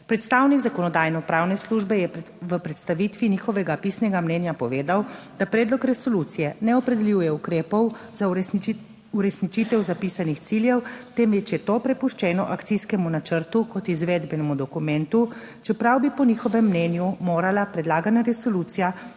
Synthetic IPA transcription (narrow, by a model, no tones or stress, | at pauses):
pɾɛt̪st̪aːwniɡzakɔnɔd̪aːjnɔpɾaːwnɛsluʒbɛjɛ | ʋəpɾɛt̪st̪aʋiːt̪ʋinixɔʋɛɡapisnɛɡamnɛːnjapɔʋeːd̪aw | d̪̥apɾɛːd̪lɔkɾɛsɔlut̪sijɛnɛɔpɾɛd̪ɛljuwjɛukɾeːpɔw | za | uɾɛsnit͡ʃiːt̪ɛwzapiːsanixt̪siljɛwt̪emʋɛt͡ʃjɛt̪oːpɾɛpuʃt͡ʃɛːnɔʔakt̪siskɛmunat͡ʃəɾt̪ukɔt̪izʋeːd̪bɛnɛmud̪ɔkumɛnt̪u | t͡ʃɛpɾawbipɔnixɔʋɛmːnɛnjumoːɾalapɾɛd̪laːɡanaɾɛsolut̪sija